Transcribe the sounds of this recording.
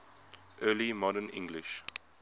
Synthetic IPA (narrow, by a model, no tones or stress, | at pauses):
ʔɜːlimɔɾənɪ̰̃ŋɡlɪʃ